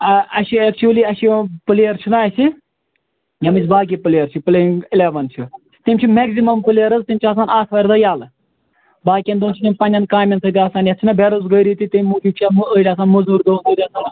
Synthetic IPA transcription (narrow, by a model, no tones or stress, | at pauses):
ɐɐʃiɛk̚t͡ʃʰuliːɐʃipɨleːɐɾt͡ʃʰunaːsi | jɐmɨt͡sʰʲbaːk̬ipɨlejɐɾt͡ʃʰipɨleŋɪleːʋɐnt͡ʃʰu | t̪imʲt͡ʃʰimeɡzimɐmpɨleːɐɾɐzt̪imt͡ʃʰiaːs̬aːnaːt̪ʰʋɐɾʲd̪ɐjaːlɨ | baːkʲiɐnd̪oːnt͡ʃʰit̪imʲpɐnʲɐnkaːmʲɐnsɐt̪ʲiaːsaːnjɐt͡ʃʰinɐbʱeɾuzɡəjɾiːt̪it̪imʲmuːkʲikt͡ʃʰaməːʈʲaːsaːnmɐzuɾd̪oːnd̪əːɾʲiaːsaːn